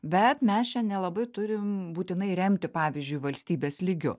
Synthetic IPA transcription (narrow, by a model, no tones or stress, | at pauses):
bʲɛt̪mʲɛst͡ʃʲɛnʲɛlˠɐbɐɪt̪ʊɾʲɪmbuːt̪ʲɪnɐɪɾʲɛmʲt̪ʲɪpɑːʋʲizʲd͡ʒʲʊɪʋɐlʲsʲt̪ʲiːbʲeːslʲɪɡʲʊ̰